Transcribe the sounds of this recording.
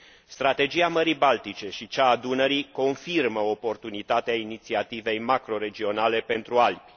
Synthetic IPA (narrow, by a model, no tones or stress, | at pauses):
st̪ɾat̪e̞d͡ʒiaməɾibalt̪it͡ʃe̞ʃit͡ʃaːd̪unəɾiko̞nfirməopo̞rt̪unit̪at̪eainit̪siat̪ive̞jmakɾo̞ɾe̞d͡ʒio̞nale̞pe̞nt̪ɾualbi̥